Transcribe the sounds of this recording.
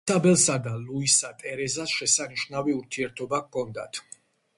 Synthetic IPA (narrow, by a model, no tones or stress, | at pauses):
tʰabɛlˠsad̪aluisat̪ʼɛɾɛzasʃɛsaniʃnaviuɾt̪ʰiɛɾt̪ʰɔbakkʰɔnd̪a̰t̪ʰ